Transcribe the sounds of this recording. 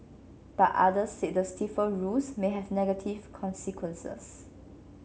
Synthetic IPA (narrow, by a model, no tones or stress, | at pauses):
b̥aʔʔa̰dəseʔ̚dəstifəɹusmeɦɛvnɛɡətʰivkʰɔ̃nsikʰwə̃nsə̰s